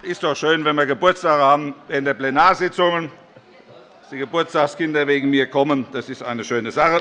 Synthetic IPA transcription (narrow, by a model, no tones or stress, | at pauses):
ʔɪstd̥ɔχʃøːnvɛnviːɐɡəbʊɐt͡staːɡəhaːbmn̩vɛːntd̥eːɐplenaːɐzɪt͡sʊŋən | d̥iːɡəbʊɐt͡stakskɪndɐveːɡŋ̩miːɐkʰɔmənd̥asɪstʔa̰ɪnəʃøːnəzaχə